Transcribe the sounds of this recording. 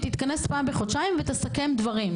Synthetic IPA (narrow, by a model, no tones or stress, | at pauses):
t̪it̪kane̞spaːmbeχot̪ʃaimvet̪esake̞md̪vaʁim